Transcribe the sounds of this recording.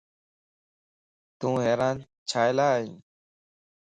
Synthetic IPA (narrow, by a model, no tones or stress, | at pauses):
t̪ũːɦeːɾaːn | t͡ʃʰaːjlaːɦĩː